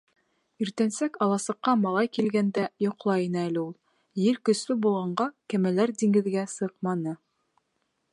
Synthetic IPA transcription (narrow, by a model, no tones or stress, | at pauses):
iɾt̪ænsækɑlˠɑsɤ̆qːɑmɑlˠɑjkilɡænd̪æjŏqlˠɑjinɤælɘulˠ | jɘɾkɵ̆slɘbulˠʁɑɴɢɑkæmælæɾd̪iŋɡɘ̆ðɡæsɤqmɑnɤ